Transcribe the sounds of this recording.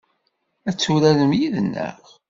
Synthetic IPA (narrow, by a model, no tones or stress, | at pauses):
æt͡sːuɾæləmjiðənːə̰ʁ